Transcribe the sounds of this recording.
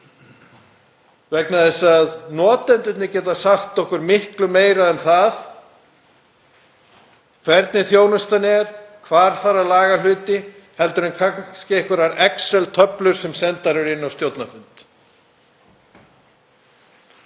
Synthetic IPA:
vɛknaðɛsaðnɔːt̪ɛnt̪ʏt̪nɪcɛːt̪asaxt̪ɔhkʏɾmɪhklʏmeːjɾaðɛnθað | kʰvɛɾt̪nɪθjoːwnʏst̪anɪɛɾ̥kʰvaːɾ̥θarːalaːɣalʏːt̪ɪ | hɛlt̪ʏɾʏnkʰanscɪehkʏɾaɾɛksɛlt̪ʰœplʏɾ̥sɛmsɛnt̪aɾʏɾɪnːawst̪jowt̪nafʏnt̪

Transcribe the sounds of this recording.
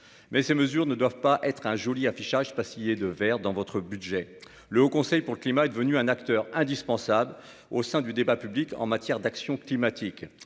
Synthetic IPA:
mɛseməzyʁnəd̪wavpaʔɛt̪χɛ̃ʒɔliafiʃaʒpasijed̪əvɛʁd̪ɑ̃vɔt̪χəbyd̪ʒɛ | ləokɔ̃sɛjpuʁləklimaɛd̪əvənyɛ̃nakt̪œʁɛ̃d̪ispɑ̃sabl | osɛ̃d̪yd̪ebapyblikɑ̰̃mat̪jɛʁd̪aksjɔ̃klimat̪ʰik

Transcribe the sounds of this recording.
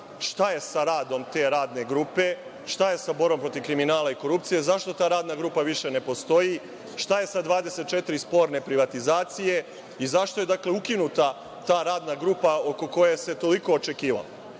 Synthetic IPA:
ʃt̪aje̞saɾaːd̪o̞mt̪e̞ɾaːd̪ne̞ɡɾupe̞ | ʃt̪aje̞sabo̞ɾbompɾot̪iʋkɾiminaːlaiko̞ɾup̚t̪sije̞zaʃt̪o̞t̪aːɾaːd̪naɡɾuːpaʋiʃe̞ne̞po̞st̪o̞ji | ʃt̪aje̞sad̪ʋaːd̪e̞se̞t̪̚t͡ʃe̞t̪iɾispo̞ːɾne̞pɾiʋat̪izaːt̪sije̞ | izaʃt̪o̞je̞d̪akle̞ukinut̪a | t̪aːɾaːd̪naɡɾupao̞ko̞ko̞jese̞t̪o̞liko̞ːt͡ʃe̞kiːʋa̰la̰

